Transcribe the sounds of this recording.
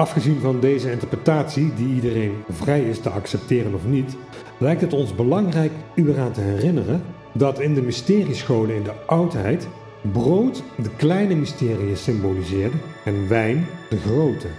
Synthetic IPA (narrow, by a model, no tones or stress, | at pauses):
ɑfχəzinvɑndejzəɪntəɹprətaːtsidiidərejnvrɛjɪstəɑksɛp̚tɪːrənɔfnit | lɛjk̚tɦətɔnzbəlɑŋrɛjkyəraːntəɦɛrɪnərən | dɑtɪndəmɪstɪːrisχowlənɪndəʔɑwtɦɛjt | browtdəklɛjnəmɪstɪːrijəsɪmbolizɪːɹdəɛnʋɛjnd̥əɣrowtə